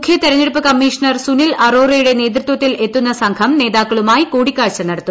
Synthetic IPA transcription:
kʰjɐt̪iɾɐɲːeɽup̬ːɐkɐmːiːʂɐnɐrsunilɐroːrɐjuɽe̞ne̞ːt̪̬ɾut̪wɐt̪ːilʔe̞t̪ːunːɐsɐŋkʰɐmne̞ːðaːkːɐɭumaːjikuːɽikʲːaːɻt͡ɕːɐnɐɽɐt̪ːu

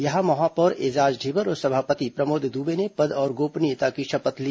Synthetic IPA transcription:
jɐɦãmɐɦaːpɔɾed͡ʒaːd͡ʒɖʱiːbəɾɔːɾsɐbʱaːpət̪ipɾɐmoːd̪ʱd̪uːbenepɐd̪ɔːɾɡoːpnit̪akiʃɐpət̪liː

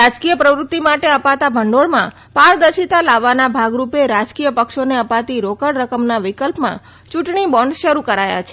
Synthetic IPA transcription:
ɾad͡ʒkijəpɾəʋɾut̪ːimaʈeəpat̪abʱəɳɖoɽmã | paɾd̪əɾʃit̪alaʋːanabʱaɡɾupeɾad͡ʒkijəpəkʃoneəpat̪iɾokəɽɾəkəmnaʋikəlpmã̰ | t͡ʃuʈɳibɔɳɖʃəɾukəɾaja̰t͡ʃʰe̥

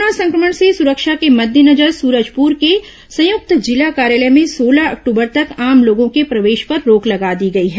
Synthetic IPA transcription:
nasɐ̃ŋkɾəməɳ̃sesʊɾəkʃakemɐd̪ʱjənɐd͡ʒəɾsuːɾəd͡ʒpuːɾke | sɐ̃jʊk̚t̪d͡ʒɪlakaːɾjaːləmẽsoːlaɐ̰k̚ʈuːbəɾt̪ɐkaːmloːɡõkepɾɐʋeːʃpɐɾːoːklɐɡad̪iɡɐiɦɛː

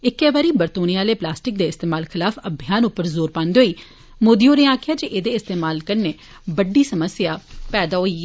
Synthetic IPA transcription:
ɪkːɛːʋaːɾiːbəɾt̪oːniːaːleːplaːsʈɪk̚d̪eːɪst̪eːmaːlkʰɪlaːfəbʱɪjaːnʊpːəɾzoːɾpãːnd̪eɦoːiː | moːd̪iːoːnẽːaːkʰɪjaːd͡ʒeʔeːd̪eːɪst̪eːmaːlkəɾneː | bəɖːiːsəməsjaːpɛːd̪aːɦoːiː

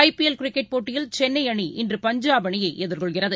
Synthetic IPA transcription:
ɐɪpiɛlkɪɾɪkːɛʈ̚poːʈːɪjɪlt͡ʃɛnːɐɪɐɳiʔɪndrɯpɐɲd͡ʒaːbɐɳɪjɐɪʔɛðɐɾkɔɭɣɪrɐðɯ

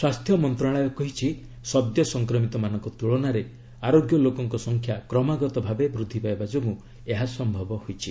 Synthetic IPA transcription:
swast̪ʰjɔmɔnt̪ɾaɭ̃ajɔkɔɦit͡ʃʰi | sɔb̚d̪jɔsɔŋkɾɔmit̪ɔmanɔ̃ŋkɔt̪uɭɔnaɾe | aɾoɡjɔlokɔŋkɔsɔŋkʰjakɾɔmaɡɔt̪ɔbʱabebɾud̪ʱːipajbad͡ʒomũ | eɦasɔmbʱɔbɔhojt͡ʃʰi

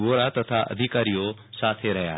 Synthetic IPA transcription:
oːɾat̪ɐt̪ʰaʔɐ̰d̪ʱikaːɾijosaːt̪ʰeɾɐja̰ː

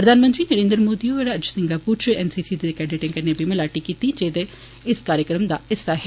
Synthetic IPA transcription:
pɾəd̪ʱaːnmənt̪ɾiːnəɾẽːnd̪ɾəmoːd̪iːoəɾəd͡ʒsɪ̃ŋɡaːpuːɾt͡ʃɛːnsiːsiːd̪ekɾɛːɖɪʈɪ̃ŋkəneːbʱiːməlaːʈiːkiːt̪iːd͡ʒeːd̪e | ɪskaːɾjəkɾəmd̪aːɪsaɦ

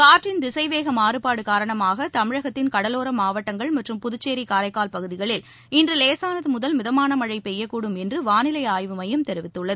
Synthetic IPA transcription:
kaːʈrɪnd̪ɪsɐɪʋeːɣɐmaːɾɯpaːɽɯkaːɾɐɳɐmaːɣɐt̪ɐmɪɻɐɣɐt̪ːɪnkɐɽɐloːɾɐmaːʋɐʈːɐŋɡɐɭmɐʈrɯmpʊðʊt͡ʃːeːɾikaːɾɐɪkːaːlpɐɣɯðɪɣɐɭɪl | ɪndrɯleːsaːnɐðɯmʊðɐlmɪðɐmaːnɐmɐɻɐɪpɛjːɐkːuːɽɯmɛndrɯʋaːnɪlɐɪaːjʋɯmɐjɯmt̪ɛɾɪʋɪt̪ːɯɭːɐðɯ

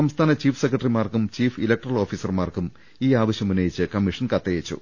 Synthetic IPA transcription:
sɐmst̪ʰaːnɐt͡ɕiːfʰsekːrɐʈrimaːrkumt͡ɕiːfilɐk̚ʈɐrɐlo̞ːfiːsɐrmaːrkum | iːaːʋɐɕjɐmunːɐjit͡ɕːɨkɐmːiʂɐnkɐt̪ːɐjet͡ɕːṵ

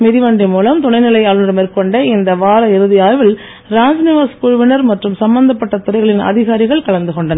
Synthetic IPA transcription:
mɪðɪʋɐɳɖɯmuːlɐmt̪ʊɳɐɪnɪlɐjaːɭɯnrɯmeːɾkɔɳɖeːɪnd̪ɐʋaːɾɐɪɾɯðɪjaːʋɪl | ɾaːɲd͡ʒnɪʋaːskʊɻʊʋɪnɐɾmɐʈrɯmsɐmbɐnd̪ɐpːɐʈːɐt̪ʊɾɐɪɣɐɭɪnʔɐ̰ðɪɣaːɾɪɣɐɭkɐɭɐnd̪ɯkɔɳɖɐnɐ

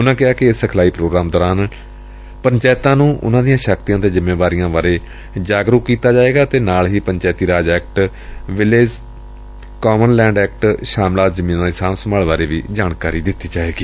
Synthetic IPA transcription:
ʊnãːkɪaːkɪɪsəkʰlaːiːpɾoːɡɾaːmd̪ɔːɾaːn | pəɲt͡ʃaːɪt̪ãːnũːʔʊ̰nãːd̪ijãːʃəkt̪ijãːt̪eːzɪmːeːʋaːɾɪjãːʋaːɾeː | d͡ʒaːɡɾukkːiːt̪aːd͡ʒaːeːɡaːt̪eːnaːlɦiːpəɲt͡ʃaːɪt̪iːɾaːd͡ʒɛːk̚ʈ | ʋɪleːd͡ʒ | kɔːmənlɛ̃ːɳɖɛːk̚ʈʃaːmlaːt̪zəmĩːnãːd̪ɪsaːmsəmaːlʋaːɾeːʋḭːd͡ʒaːɳkaːɾiːd̪ɪt̪ːiːd͡ʒaːeːɡiː

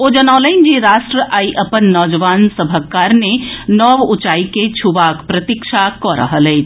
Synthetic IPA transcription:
od͡ʒɐnaːləɪnd͡ʒiɾaːʃʈɾəʔaːiʔɐpənːɔːd͡ʒəʋaːnsəbʱəkaːɾnenɔːʋʊt͡ʃaːiket͡ʃʰuʋaːkpɾɐt̪ikʃʰakɔɾə̰ɦəlɛi

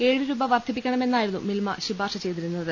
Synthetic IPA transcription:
e̞ːɻɨɾuːbɐʋɐrt̪ʰip̬ːikʲːɐɳɐme̞nːaːjiɾunːṵmilmɐ̰ɕibʱaːrʂɐt͡ɕe̞jt̪iɾunːɐðɨ

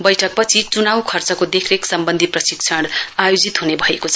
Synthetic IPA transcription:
bʌjʈʰʌk̚pʌt͡sʰit͡sunawkʰʌrt͡sʌkod̪ekʰreksʌmbʌnd̪ʱiprʌsikt͡sʰʌɽajod͡zit̪ɦunebʱʌekot͡sʰʌ

